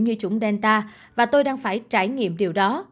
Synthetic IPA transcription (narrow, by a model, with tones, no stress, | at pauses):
ɲɨ˧t͡ɕʊ˨˧˥ŋ͡mɗɛ˧nt̪aː˧ | vaː˨˩t̪o˧jɗaː˧ŋfaː˧˩jt͡ɕaː˧˩jŋḭ˧˨əmɗi˨˩əwɗɔ˨˦